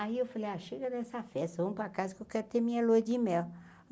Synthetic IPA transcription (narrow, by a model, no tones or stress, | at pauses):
aiewfalejaʃeɡɐd̪ɛsɐfɛst̪ɐvɐ̃mʊpɾakazɐkewkɛɾʊt̪emĩɲɐlojd͡ʒɪmɛw